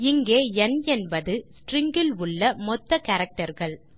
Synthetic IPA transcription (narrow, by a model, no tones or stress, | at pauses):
ɪŋɡeːɛnɛnbɐðɯsʈɾɪŋɡɪlʊɭːɐmɔt̪ːɐkɐɾɐk̚ʈɐɾɣɐɭ